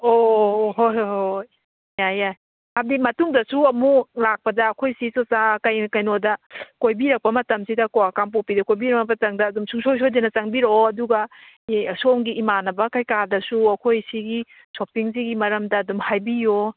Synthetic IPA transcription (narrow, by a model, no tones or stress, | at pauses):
oɦojhoj | jajaj | hadimɐtuŋdɐsuɐmulak̚pɐdɐːkʰojsisot͡ʃakɐjkɐjnodɐkojbiɾɐk̚pɐmɐtɐmsidɐkoakamp̬opidɐkojbiɾɐnɐpɐtɐŋdɐːdumsuŋsojs̬ojzenɐt͡ʃɐŋbiɾoɐduɡɐ | somɡiːmanɐbɐkɐjkadɐsuɐkʰojsiɡi | sopiŋz̬iɡimɐɾɐmdɐːdumhajbijo